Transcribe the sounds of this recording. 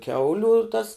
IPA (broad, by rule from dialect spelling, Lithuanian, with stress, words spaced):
ˈkʲɛʊlʲʊ tɐs